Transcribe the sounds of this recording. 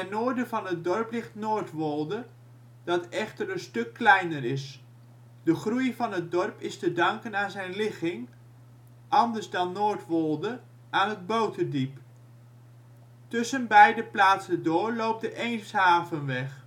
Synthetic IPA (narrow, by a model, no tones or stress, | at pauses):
ɛnoːɹdəvɑnɦət̚dɔrplɪχtnoːɹtʋolˠdə | d̥ɑtɛχtərənstɵkːlɛjnərɪs | d̥əχrujvɑnɦət̚dɔrpɪstədɑŋkənaːnzɛjnlɪχɪŋ | ʔɑndəɹzdɑnːoːɹtʋɔlˠdə | ʔaːnəd̚bowtədip | tʏsənbɛjdəplaːtsəndʊːɹlowp̚dəʔejnshaːvənʋɛχ